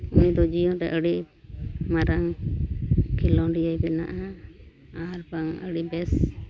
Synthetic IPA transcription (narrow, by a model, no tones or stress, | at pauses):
unid̪ɔd͡ʒijɔ̃ɾɛʔəɽi | maɾaŋ | kilɔ̃nɖijajbɛna̰ʔa | aɾbaŋə̰ɽibɛs